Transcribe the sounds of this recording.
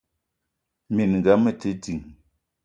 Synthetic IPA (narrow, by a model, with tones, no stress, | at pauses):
mi˨nŋɡa˨˦mə˨te˨˦di˨ŋ